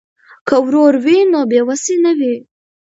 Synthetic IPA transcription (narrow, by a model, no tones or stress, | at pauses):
kəwɾoɾwinobewasinəwi